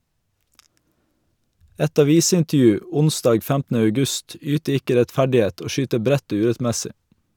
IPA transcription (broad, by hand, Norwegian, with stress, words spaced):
ˈɛt ɑˈʋiːsɪntəˌjʉː ˈʊnˌsdɑːɡ ˈfæmtn̩ə œʉˈɡʉst ˈyːtə ˈɪkə ɾɛtˈfæɖɪˌeːt ˈoː ˈʃyːtə ˈbɾɛt ˈoː ˈʉːɾɛtˌmɛsɪ